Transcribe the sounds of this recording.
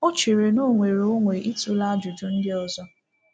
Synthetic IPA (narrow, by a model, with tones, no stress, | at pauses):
o˦t͡ʃe˨ɾe˨no˦ŋʷe˨ɾo˦ŋʷe˨ʔi˦tu˨la˦d͡ʒu˨du˨n̩˦dɪ˦ɔ˨zɔ˦